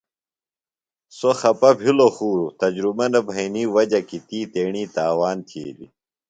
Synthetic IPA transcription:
soxɐpɐbʱiloxuːɾut̪ɐd͡ʑɾumɐnɐbʱɐiniːwɐd͡ʑɐkit̪iːt̪eːɳiːt̪aːwaːnt̪ʰiḛːdḭ

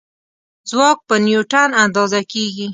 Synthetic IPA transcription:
zwɑk̚pənjuʈanand̪ɑzakeɡi

